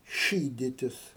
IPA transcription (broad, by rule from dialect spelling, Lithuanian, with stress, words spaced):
ˈʃʲiːdʲɪtʲɪs